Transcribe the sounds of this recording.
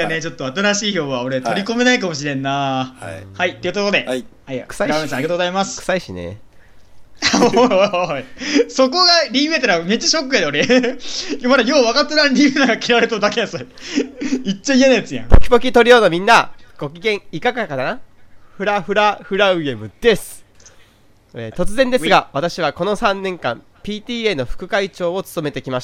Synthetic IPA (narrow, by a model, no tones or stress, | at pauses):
jane̞t͡ɕo̞t̪ːoat̪aɾaɕiːço̞ːɯβao̞ɾe̞t̪o̞ɾʲiko̞me̞naikamo̞ɕ̬iɾẽ̞nːa | hait̪ːe̞ɯ̟t̪ot̪o̞d̪e̞hajkɯ̟̥saiesãaɾiat̪oɡozaimasɨ̥kɯ̟̥saiɕinḛ | aoaaaso̞ko̞ɡaɾʲiɯ̟et̪aɾame̞t͡ɕːaɕokːɯjad̪eo̞ɾe | jomad̪ajo̞ːβakat̪ːeɾãɾʲiɯɯnaɡakʲiɾaɾet̪od̪akʲeasa | it͡ɕːaienaid̪esɨjã̰bokʲi̥bo̞kʲit̪o̞ɾʲijo̞nomʲĩnːaɡ̥o̞kʲiɡẽ̞ɰ̃ikakakad̪anaɸɯ̟ɾaɸɯ̟ɾaɸɯ̟ɾaɯ̟e̞mɯ̟d̪̥e̞sɨ̥ | et̪o̞t͡sɨzẽ̞nd̪e̞sɨɡaβat̪aɕiβ̞ako̞no̞sãnːẽ̞ŋkã̰m | pʲiːt̪ʲiːe̞no̞ɸɯ̟̥kɯ̟kait͡ɕo̞ːot͡sɨ̥t̪o̞me̞t̪e̞kʲimaɕt̪a